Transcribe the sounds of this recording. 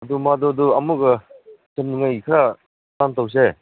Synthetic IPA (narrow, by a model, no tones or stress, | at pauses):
ɐdumaduduɐmuɡɐseniŋajkʰɾa | tantaws̬e